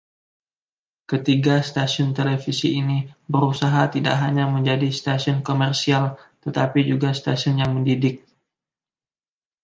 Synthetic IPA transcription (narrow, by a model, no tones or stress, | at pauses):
kət̪iɡast̪asʊnt̪elefisiːnibəɾusaɦat̪ida̰ʔɦaɲaməɲd͡ʒadist̪asiɔnkomɛrsialt̪ət̪apid͡ʒuɡast̪asiʊnjaŋməndidɪk̚